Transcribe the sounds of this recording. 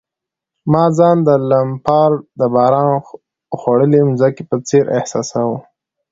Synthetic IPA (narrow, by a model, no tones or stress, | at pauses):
mɑzɑnd̪əlampɑɾd̪əbɑɾɑn | xwaɽəlimzakepət͡seɾʔɪhsɑsawu